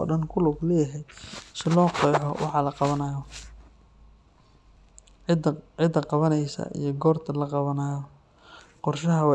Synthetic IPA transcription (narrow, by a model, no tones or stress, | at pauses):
ɔ̰ɖɐnkʰʊlʊɡlɛːjɦɛjsɪlɔːqɔjħɔwʔɑ̰ħɑlɐqɑβɐnaːjɔ | ʕɪd̪ɐqɑβɐnɛjsɐ̰ʔḭjɞɡɔːrt̪ʰɐlɐqɑβɐnaːjɔ | qɔrʃɐɦɐw